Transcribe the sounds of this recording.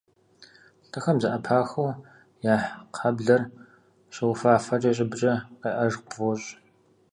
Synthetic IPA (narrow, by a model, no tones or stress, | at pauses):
ɬtʰɐxɐmzɐʔɐpʰaːxɐw | jaːħqʰɐbɮɐr | ɕɪwʊfaːfɐʈ͡ʂʼɐɕ̬ʼɪbt͡ʃʼɐqɐʔɐʒvɔɕʼ